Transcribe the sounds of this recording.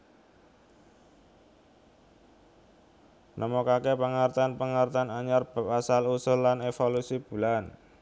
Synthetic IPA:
nʔəmokakepəŋart̪anpəŋart̪anaɲarb̥a̤p̚asalusʊllanefolusib̥ṳlan

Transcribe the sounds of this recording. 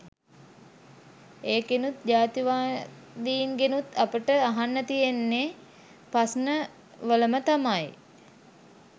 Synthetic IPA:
eːkenut̪d͡ʒaːt̪iʋaː | d̪iːŋɡenut̪apəʈəaɦanːət̪ijenːe | pasnə | ʋələmət̪amaj

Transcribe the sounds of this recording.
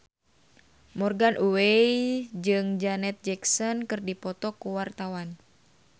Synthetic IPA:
mɔrɡanʔuwejd͡ʒɨŋd͡ʒanɛt̪̚d͡ʒɛksɔnkɨrdipɔt̪ɔkuwart̪awan

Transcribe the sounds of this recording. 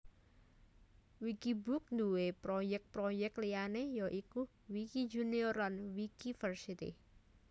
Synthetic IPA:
wikibʊk̚nd̪uwepɾojɛk̚pɾojɛk̚tlianejɔʔiku | wikid͡ʒuniɔrlanwikifərsit̪ḭ

